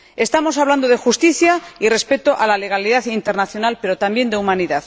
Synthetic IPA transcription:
e̞st̪amo̞s̬aβland̪o̞ðe̞xust̪iθjaire̞spet̪oʔalale̞ɣ̞aliðaθint̪e̞ɾnaθjo̞nalpe̞ɾo̞t̪ambje̞nd̪eumaniðaθ

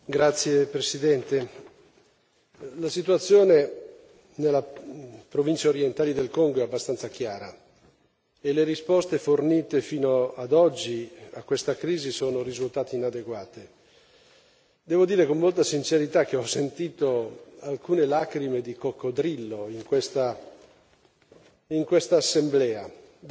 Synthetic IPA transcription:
ɡɾat̪sːjepɾesid̪ɛnt̪e | lasit̪wat̪sːjoːne | nelːapɾovint͡ʃaoɾjent̪aːlid̪elkoŋɡoɛabːast̪ant̪sak̟jaːɾa̰ | eleɾispɔst̪eforniːt̪efiːnoad̪ɔd͡ʒːiakːwest̪akɾiːzisoːnoɾizult̪aːt̪iːnad̪eɡwaːt̪e | d̪ɛːvod̪iːɾekommolt̪asint͡ʃeɾit̪ak̟ːeɔsːent̪iːt̪oalkuːnelaːkɾimed̪ikokːod̪ɾilːoiŋkwest̪a | iŋkwest̪aːsːemblɛːa

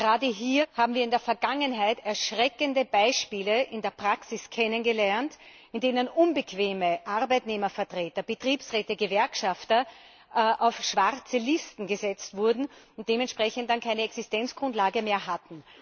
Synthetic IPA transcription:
ɡɡəʁaːdəɦiːɐhaːbm̩viːɐɪndeːɐfɛɐɡaŋənɦaɪtɛɐʃʁɛkəndəbaɪʃpiːləʔɪndeːɐpʁ̥aksɪskʰɛnənɡəlɛɐnt | ɪndeːnənʔʊnbəkv̥eːməʔaʁbæɪtneːmɐfɛɐtʁ̥eːtɐb̥ətʁ̥iːpsʁɛːtəɡəvɛɐkʃaftɐ | ʔaʊfʃv̥aʁt͡səlɪstn̩ɡəzɛt͡stv̥ʊɐdn̩ʊnt̚d̥eːmɛntʃpʁ̥ɛçənt̚d̥ankʰaɪnəɛksɪstɛnt͡sɡ̥ʁʊ̃ntlaːɡəmeːɐɦatn̩

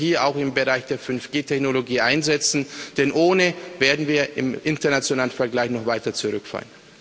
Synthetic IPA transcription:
hiːɐa̰ʊxɪmbəʁaɪçd̥eːɐfʏnfɡ̥eːtʰɛçnoloɡiːʔaɪnzɛt͡sn̩d̥ɛnʔoːnəveːɐdn̩viːɐɪ̰mʔɪntɐnat͡sjonaːlənfɛɐɡlaɪçnɔχvaɪtɐt͡suʁʏkfa̰ːlən

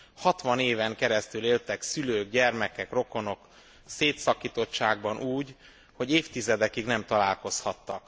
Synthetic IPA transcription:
hɒt̪ʋɒneːvɛŋkɛɾɛst̪yleːlt̪ɛksyløːɡ̚ɟɛrmɛkɛkro̞ko̞no̞k | seːt̪sɒkiːt̪o̞t͡ʃːaːɡ̚bɒnʔuːɟ | ho̞ɟeːft̪izɛd̪ɛkiɡnɛmt̪ɒlaːlko̞shɒt̪ːɒk

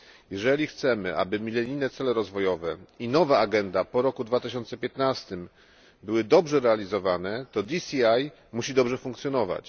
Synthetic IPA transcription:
jɛʐɛlʲixt̪sɛmɘʔa̰bɘmʲilɛɾʲinɛt̪sɛlɛɾɔzvɔjɔvɛinɔvaaɡɛnd̪apɔɾɔkud̪vat̪ɘɕɔnt̪sɛpʲjɛt̪nast̪ɘm | bɘwɘd̪ɔbʐɛɾɛalʲizɔvanɛt̪ɔd̪isʲiaj | muɕid̪ɔbʐɛfuŋkt̪sʲjɔnɔva̰t͡ɕ

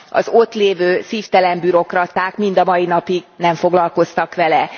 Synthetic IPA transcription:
ɒ̰zo̞t̪leːvøːsiːft̪ɛlɛmbyɾo̞krɒt̪aːkmind̪ɒmɒjinɒpiɡnɛɱfo̞ɡlɒlko̞st̪ɒkʋɛlɛ

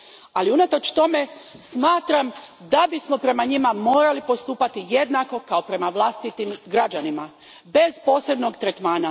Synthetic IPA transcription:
aliunat̪o̞t͡ʃt̪o̞me̞smaːt̪ɾamd̪abismo̞pɾe̞maɲimamo̞ːɾalipo̞st̪uːpat̪ije̞d̪nako̞kao̞pɾe̞maʋlˠast̪it̪imɡɾad͡ʑanima | be̞zpo̞ːse̞bno̞ɡt̪ɾe̞t̪maːna

